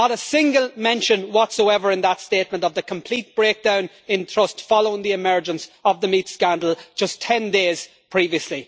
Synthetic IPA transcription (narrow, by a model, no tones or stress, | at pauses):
nəɾəsɪ̃ŋɡəlˠmɛ̃nʃə̃nwɒtsoʊɛvə˞ɨ̃nðətsteːt̚mə̃ntʌvðəkʰə̃mpʰl̥it̚b̥ɹeːk̚d̥ãʊ̃n | ɪ̃ntʰɹ̥ʊstfɑloʊɪ̃ŋðiɪmɜ˞d͡ʒə̃nsəvðəmitskãndəl̩̥ˠd͡ʒ̥ʌstʰɛ̃ndeːz̥ | pʰɹ̥iːviəsli